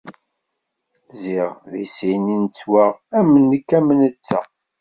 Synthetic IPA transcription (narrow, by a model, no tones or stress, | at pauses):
ziʁðisinint͡sːwaʁæmːənːəkːæmːənət͡sːæ̰